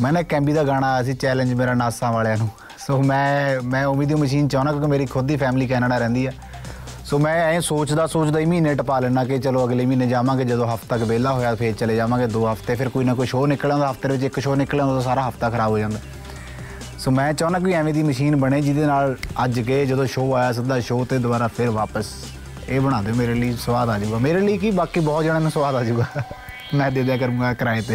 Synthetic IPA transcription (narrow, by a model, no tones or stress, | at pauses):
mɛ̃ːneːkɛ̃ːmbiːd̪aːɡaːɽ̃aːɛəs̬ĩːt͡ʃɛːlənd͡ʒmeːɾaːnaːsãːʋaːljaːnũː | soːmɛ̃ːmɛ̃ːʊmiːd̪iũːməʃ̬iːnt͡ʃɔ̃ːnaːkoːkmeːɾiːkʰʊd̪iːpʰɛːmliːkɛːnɳaːɾɛ̃ːnd̪iːɛː | soːmɛ̃ːsoːt͡ʃd̪aːsoːt͡ʃd̪aːiːmiːneːʈəpaːleːnãːk̬et͡ʃəloːəɡleːmiːneːd͡ʒaːʋãːked͡ʒəd̪õːɦəft̪akbeːlaːɦoːjaːpʰeːt͡ʃəleːd͡ʒaːʋãːked̪oːɦəpʰt̪eːpʰɪɾkoːiːnãːkoiʃoːnɪkəljãːnd̪aːɦət̪eːdeʋɪt͡ʃɪkʃoːnɪklj̃ːnaːt̪ːsaːɾaːɦəpt̪aːkʰəɾaːbʱɦoːd͡ʒãːnd̪aː | soːmɛ̃ːt͡ʃɔːnãːk̬oiːɛ̃ːʋẽːd̪iːməʃiːnbəɽeːd͡ʒɪd̪eːnaːləd͡ʒked͡ʒəd̪õːʃoːaːjaːs̬əd̪aːʃoːt̪eːd̪ʊʋaːɾaːpʰɪɾʋaːpəs | eːbəɽ̃ãːd̪eːõːmeːɾeːləiːsʋaːd̪aːd͡ʒuːɡaːmeːɾeːləiːkiːbaːkiːbɔːt̪d͡ʒəɽãːñːsəʋaːd̪aːd͡ʒuːɡaː | mɛ̃ːd̪ed̪aːkəɾmɡaːkəɾaːeːt̪eː